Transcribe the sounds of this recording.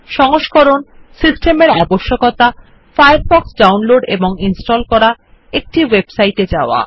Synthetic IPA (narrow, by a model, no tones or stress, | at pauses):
ʃɔŋoʃkɔɾonsisʈemeɾɛboʃːokɔt̪a | fajaɾbɔksɖawnloɖḛboŋinsʈɔlkɔɾa | ek̚ʈiwebsajʈed͡ʑaoa̰